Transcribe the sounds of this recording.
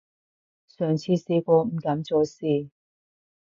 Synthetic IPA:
sœː˨˩ŋt͡sʰiː˧siː˨˧kʷɔː˧m̩˨˩kɐ˨˥mt͡soː˨˧˥siː˧

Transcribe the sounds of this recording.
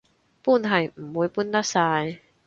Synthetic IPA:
pu˥˩˨nɦɐ˨˩jm̩˨˩wuː˨˧˦jpu˥˨nt̪a˥saː˧j

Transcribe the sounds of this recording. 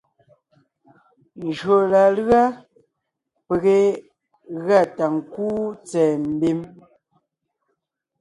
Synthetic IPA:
n˨d͡ʒɰo˨la˨lɰa˦ | pe˨ɣe˦˨ | ɣa˦˨ta˨ŋ̩˨kuː˦t͡sɛː˨m̩˦bi˦m

